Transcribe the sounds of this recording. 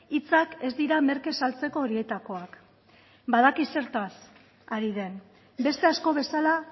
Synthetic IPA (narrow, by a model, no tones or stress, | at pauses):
it͡sake̞zd̪iɾame̞ɾke̞salt͡se̞ko̞ːɾie̞t̪ako̞ak | bað̞akise̞ɾt̪as | aɾiðe̞n | be̞st̪e̞asko̞β̞e̞sala